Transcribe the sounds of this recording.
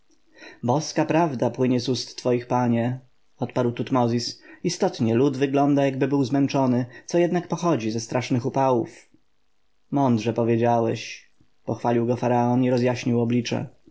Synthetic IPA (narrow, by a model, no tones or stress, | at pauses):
bɔskapɾavd̪apwɘɲɛzust̪ːfɔjixpaɲɛ | ɔt̪paɾwt̪ut̪mɔzʲisist̪ɔt̪ɲɛlud̪vɘɡlɔnd̪ajaɡbɘbɘwzmɛnt͡ʂɔnɘt̪sɔjɛd̪nakpɔxɔd͡ʑizɛst̪ɾʔaʂnɘxupawṵf | mɔnd̪ʐɛpɔvʲjed͡ʑawɛɕ | pɔxfalʲiwɡɔfaɾaɔniɾɔzjaɕɲiwɔblʲit͡ʂɛ̰